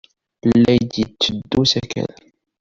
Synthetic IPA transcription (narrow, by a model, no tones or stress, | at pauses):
lːæjd̪jət͡sːəd̪ːusækæ̰n